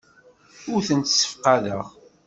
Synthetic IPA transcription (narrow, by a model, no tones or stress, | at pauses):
ʊɾθənt̪sːə̥fqɑðəʁ